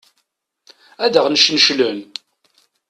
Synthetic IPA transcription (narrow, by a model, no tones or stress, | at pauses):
æd̪əʁnəʃnʃlən